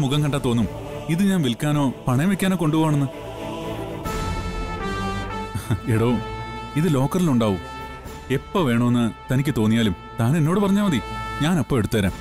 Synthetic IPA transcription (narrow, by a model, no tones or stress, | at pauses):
muɣɐŋkɐɳɖat̪ːoːnːum | iðɨɲaːnʋilkːaːno̞ːpɐɳeʋekʲːaːno̞ːko̞ɳɖuɣoʋaːɳenːɨ | eɽo̞ːiðɨlo̞ːkːɐriluɳɖaːʋu | epːoʋe̞ːɳɐmenːɨt̪ɐnikʲːɨt̪o̞ːnːijaːlum | t̪aːne̞nːo̞ːɽɨpɐrɐɲːaːmɐðiɲaːnɐpːoːeɽut̪ːɐʋɐɾḛm